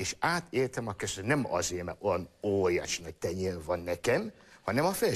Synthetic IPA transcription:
eːʃaːt̪ʰeːrt̪ɛmɒkøsønɛmɒ̰zeːmɛ̰ojɒnoːɾja̰ːʃinɒc̚t̪ɛɲeːrvɒnːɛkɛm | hɒnɛmɒfɛl

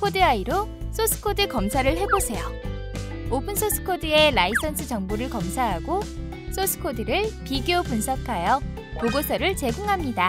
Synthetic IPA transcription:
kʰodɯaiɾo | s͈ʰosʰɯ̥kʰodɯkʌmsʰaɾɯɭɦe̞bosʰe̞jo̰ | opʰɯnsʰosʰɯ̥kʰodɯe̞lais͈ʌnsʰɯt͡ɕʌŋboɾɯɭkʌmsʰaɦaɡo | sʰosʰɯ̥kʰodɯɾɯɭpiɡjopunsʰʌkʰajʌ | poɡosʰʌɾɯɭt͡ɕe̞ɡuŋɦamɲida

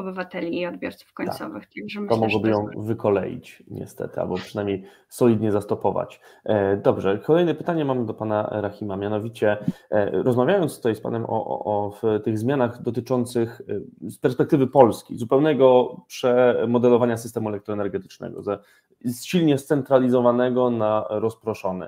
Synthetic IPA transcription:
ɔbɘvat̪ɛlʲiːɔd̪bʲjɔ̰ɾt̪su̥fkɔɲt̪a̰sɔvɘ̰xt̪t̪ɔmɔɡwɔbɘjɔ̃w̃vɘkʰɔlɛ̰jḭt͡ɕɲɛ̰st̪ɛ̰t̪ɘa̰lbɔpʂɘnajmɲej | sɔlʲid̪ɲɛzast̪ɔpɔva̰t͡ɕd̪ɔbʐɛkʰɔlɛjnɛpɘt̪aɲɛmamd̪ɔpana̰ɾaxʲimamʲjanɔvʲit͡ɕɛ | ɾɔzmavʲjajɔnt̪sɔt̪ajspa̰nɛmʔɔ̰ʔft̪ɘɣzmʲjanaɣd̪ɔt̪ɘt͡ʂɔnt̪sɘxspɛɾspɛk̚t̪ɘvɘpɔlskʲḭzupɛwnɛɡɔpʂɛmɔd̪ɛlɔvaɲasɘst̪ɛmuɛlɛk̚t̪ɾɔɛnɛɾɡɛt̪ɘ̥t͡ʂnɛ̰ɡɔ̰zɛ | sɕilɲɛst̪sɛnt̪ɾalʲizɔvanɛɡɔnaɾɔspɾɔʂɔnɛ̰

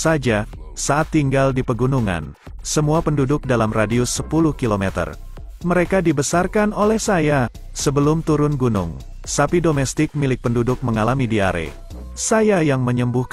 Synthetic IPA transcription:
sad͡ʒa | saʔat̪ːiŋɡaldipəɡunuŋa̰n | səmuapəndudʊk̚dalamradiusəpulʊhkilomɛt̪ə̰r | məɾekadibəsarkanolɛhsaja | səbəlʊmt̪uɾʊnɡunʊ̰ŋ | sapidomɛst̪ɪk̚milɪk̚pəndudʊk̚məŋalamidia̰ɾḛ | sajajaŋməɲəmbuhk

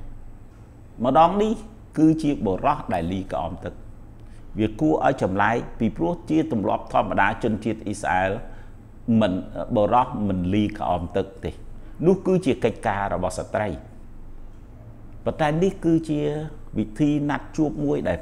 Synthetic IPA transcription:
mə̆ɗɑːŋnih | kɨːt͡ɕiəɓorɑhɗaɛlːiːka̰ʔɑ̰ːmt̪ɨk̚ | ʋiəkuəʔa̰ɔjt͡ɕɑmlaɛk̚piːprʊəht͡ɕiət̪umlŏ̰əp̚t̪ʰŏəmːaɗaːt͡ɕʊ̆ənt͡ɕiət̪̚ʔisa̰ʔaːl | mɨnɓoːɾɑhmɨnliːka̰ʔɑ̰ːmt̪ɨk̚t̪eːnʊ̆əhkɨːt͡ɕiəkəc̚kaːɾɔɓɑhsat̪rəj | pont̪aɛnihkɨːt͡ɕiəʋit̪ʰiːnat̪̚t͡ɕuəp̚muəjɗaɛl

